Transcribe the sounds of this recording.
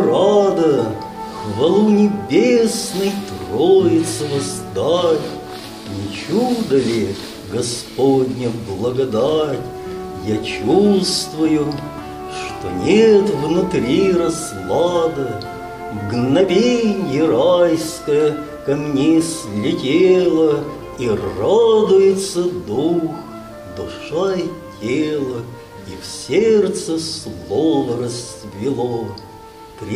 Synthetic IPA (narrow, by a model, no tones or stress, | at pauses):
rad̪ə | xvɐlˠunʲɪbʲesnɨjt̪rojɪt̪səvɐzd̪atʲ | nʲɪt͡ɕud̪əlʲɪ | ɡɐspodʲnʲəblˠəɡɐd̪atʲ | jat͡ɕust̪vʊjʊ | ʂt̪o̰nʲet̪vnʊt̪ɾʲiɾɐslˠɑd̪ə | vɡnɐvʲenʲjəɾajskəjə | kɐmnʲeslʲɪtʲeelˠə | irad̪ʊjɪt̪səd̪ux | d̪ʊʂajətʲʰelˠə | ifsʲert̪səslˠovəɾəs | vʲɪlˠo | pɾʲ